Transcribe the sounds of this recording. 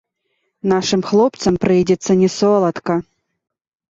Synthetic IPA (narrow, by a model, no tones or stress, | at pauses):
naʂɨmxlˠɔpt̪sɐmpɾɨjdʲɛt̪sːɐnʲɛsɔlˠɐt̪kɐ